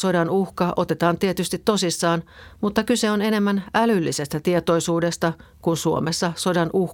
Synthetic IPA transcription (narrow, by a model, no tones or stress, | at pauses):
so̞dɑnuhkɑʔo̞t̪e̞t̪ɑːnt̪iet̪yst̪it̪ːo̞sisːɑːnmut̪ːɑkyseone̞ne̞mːænʔælylːise̞st̪æt̪iet̪o̞jsuːde̞st̪ɑ | kunsuo̰mesːɑso̞dɑnʔuh